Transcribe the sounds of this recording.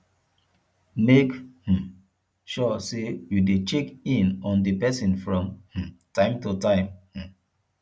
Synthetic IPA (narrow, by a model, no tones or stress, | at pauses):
mekh̩ | ʃɔsejudet͡ʃekĩnɔ̃ndipɛsĩnfɹɔ̃mh̩tãɪ̃mtutãɪ̃mh̩